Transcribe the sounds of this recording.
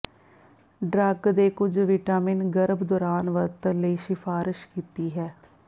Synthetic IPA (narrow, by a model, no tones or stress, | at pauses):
ɖɾəɡd̪eːkʊd͡ʒʋɪːʈaːmɪnɡəɾəbd̪ɔːɾaːnʋəɾt̪ələiːʃɪfʰaːɾɪʃkiːt̪iːɦɛː